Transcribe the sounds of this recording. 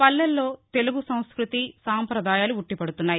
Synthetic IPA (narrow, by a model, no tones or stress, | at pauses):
pɐlːɐlːo̞ːt̪e̞luɡusɐw̃skɾut̪isaːmpɾɐd̪ʱaːjaːluuʈːipɐɽut̪unːaːji